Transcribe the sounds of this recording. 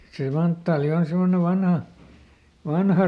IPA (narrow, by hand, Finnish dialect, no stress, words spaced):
se mɑntːɑːli on semːone ʋɑnhɑ ʋɑnhɑ